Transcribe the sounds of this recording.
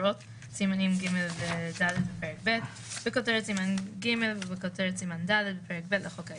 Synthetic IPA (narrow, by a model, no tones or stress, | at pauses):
ot | simanimɡimelvedaled̪̚bepeʁek̚bet | bekoteʁetsimanɡimelvebekot̪eʁetsimandaled̪̚bepeʁek̚betleχoka